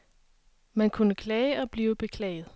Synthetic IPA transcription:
mænkʰunəkʰlɛɪəʔɒ̽b̥liːʊb̥e̝kʰlɛ̰ɪð̩ˠ

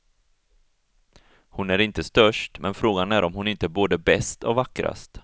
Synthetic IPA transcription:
hʊnæɾɪnt̪əst̪œʂʈmʔɛnfɾoːɡanæɾʔɔmhʊnɪnt̪əboːd̪əbɛst̪ɔ̰vakːɾa̰st̪

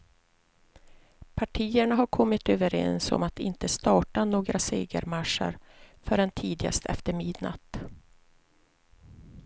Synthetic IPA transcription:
pʰaʈʰiːəɳaɦaɾkʰɔmːɪt̪øːvəɾɛ̰nsɔ̰mat̪ɪnt̪əst̪ɑːʈanoːɡɾaseːɡə̰ɾmaʂːə̰ɾfœɖɛnt̪ʰiːd̪ɪɡa̰st̪ʰɛ̰ft̪əɾmɪd̪na̰t̪

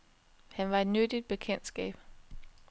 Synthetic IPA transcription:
hænʋɑ̈e̝d̥nødid̥̚b̥e̝kʰen̰d̥sɡ̥ɛ̰ːb̥

